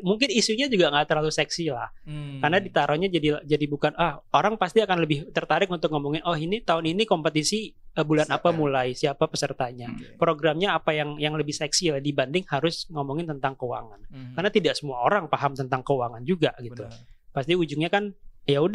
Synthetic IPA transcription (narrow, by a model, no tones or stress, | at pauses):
muŋkɪnisuɲad͡ʒuɡaŋɡaʔt̪ərlalusɛksila̰hkarnadit̪aɾɔɲad͡ʒadid͡ʒadibukanahoɾaŋpast̪iakanləbɪht̪ərt̪aɾɪk̚unt̪ʊk̚ŋomɔŋɪnɔhinit̪aʊninikɔmpət̪isiəbulanapamulajsiapapəsərt̪aɲapɾoɡɾamɲaːpajaŋjaŋləbɪhsɛksilahdibandɪŋhaɾʊsŋomoŋɪnt̪ənt̪aŋkəwa̰ŋankarnat̪idaʔsəmuaoɾaŋpaɦamt̪ənt̪aŋkəwaŋand͡ʒuɡaɡit̪upast̪iud͡ʒʊŋɲakanjaud